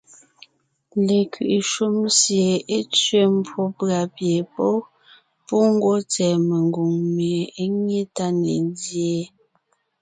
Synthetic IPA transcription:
le˨kɥḭ˨ʔi˨ʃu˦msje˨e˦t͡sɥe˦m̩˦pwo˦pɰa˨pje˨pɔ˦ | pu˦ŋ̩˦ɡwɔ˦t͡sɛː˨me˨ŋɡu˨ŋme˨e˦ɲe˦ta˦nḛ˨ndje˦

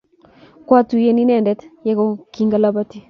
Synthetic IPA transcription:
kwa˦tu˨je˦ni˦nɛ˨ndɛ˦tjɛ˦kɔ˦ki˦ŋɡa˦la˦ba˦ti˦

